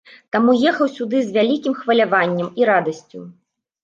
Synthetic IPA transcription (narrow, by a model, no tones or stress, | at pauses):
t̪amujɛxɐwsʲud̪ɨzʲvʲalʲikʲimxvɐlʲavanʲːɛmiɾad̪ɐsʲt͡sʲṵ